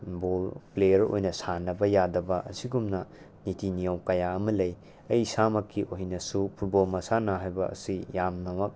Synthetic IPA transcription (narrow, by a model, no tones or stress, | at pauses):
bolplejɐɾo̰jnɐsanɐbɐjadɐbɐʔɐsiɡumnɐ | nitʰinijowkɐjaɐmɐlɐj | ɐjsamɐkʰːiʔoɦinɐsupʰuɾbolmɐsanɐɦajbɐ̰ɐ̰sijamnɐmɐk̚